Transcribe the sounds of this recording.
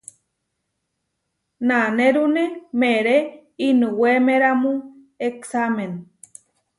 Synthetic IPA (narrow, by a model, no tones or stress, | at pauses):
naneɾunemeɾe | inuwemeɾamu | eksamen